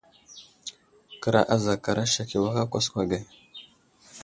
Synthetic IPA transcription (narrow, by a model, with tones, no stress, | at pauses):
kə˦ɾa̰˨ʔa˦za˨ka˨ɾa˦ʃa˨ki˨wa˦ka˦kʷa˦skʷa˨ɡa˨